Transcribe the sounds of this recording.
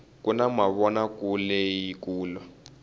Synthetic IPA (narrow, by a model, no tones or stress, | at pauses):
kunamaβɔnakulɛjikuːlwa